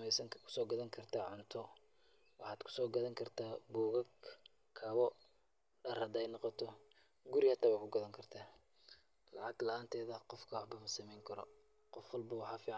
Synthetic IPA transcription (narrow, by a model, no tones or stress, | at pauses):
ɛsɐkʰʊ̥sɔːɡɐðɐŋkʰɐrt̪ʰaːʕʊnt̪ʰɔ | wɑħɑːd̪kʰʊ̥sɔːɡɐðɐŋkʰɐrt̪ʰaːbuːɣɐɡ | kʰɐβɔ | ɖɐrhɐd̪ɛjnɑqɔt̪ʰɔ | ɡʊɾihɐt̪ʰːaːβakʰʊɡɐðɐŋkʰɐrt̪ʰaː | lɑʕɑɡlɐaːnt̪ʰɛːðɐqɔfkʰɐwɑħbɐmɐsɐmɛjŋkʰɐɾɔ̰ | qɔfwɐlbɐwɑħɑːfiːʕ